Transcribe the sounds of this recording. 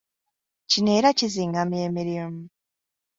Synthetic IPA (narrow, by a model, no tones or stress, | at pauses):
cineːɾaciziːŋɡamjeːmiɾimu